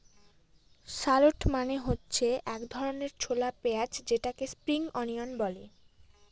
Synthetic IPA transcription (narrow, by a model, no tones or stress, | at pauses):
ʃaloʈmaneɦotːɕʰeʔɛkd̪ʱɔɾoneɾt͡ɕʰolapeat͡ɕʰd͡ʑeʈakespɾiŋɔnionbɔle